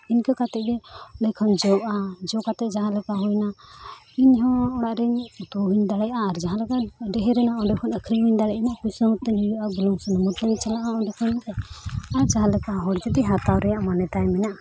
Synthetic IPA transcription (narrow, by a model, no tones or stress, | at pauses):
iɲkakat̪ɛʔ̚ɡɛɔɖɛkʰɔnd͡ʒɔad͡ʒɔkat̪ɛʔ̚d͡ʒaɦãlɛkaɦɔjna | iɲɦɔ̃ɔɽaʔɾɛɲut̪uɦiɲd̪aɽɛjʔaːɾd͡ʒaɦãlɛkaɖɛɦɛɾɛnaɔɖɛkʰɔnəkʰɾiɦiɲd̪aɽɛjʔanaʔkujsəmut̪ːɛɲhujuʔabɔlɔŋsɔnəmut̪ɛnt͡ʃalaʔaɔɖɛkʰɔnt̪ɛaɾd͡ʒaɦãlɛkaɦɔɽd͡ʒɛt̪ɛɦat̪awɾɛjaʔmanɛt̪ajmɛnaʔ